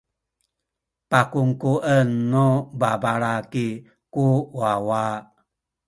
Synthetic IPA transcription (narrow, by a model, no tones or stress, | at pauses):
pakuŋkuʔənːubabaɾaki | kuwawa